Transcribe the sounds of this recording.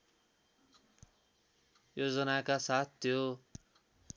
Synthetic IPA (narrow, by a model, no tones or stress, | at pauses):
jod͡zʌnakasat̪̚ʰːjo